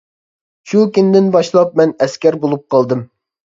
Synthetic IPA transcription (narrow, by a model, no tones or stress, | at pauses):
ʃukʲynd̪ɪnbɑʃlˠɑp̚mɛnɛskʲɛɾbolˠup̚qʰɑlˠd̪ɨm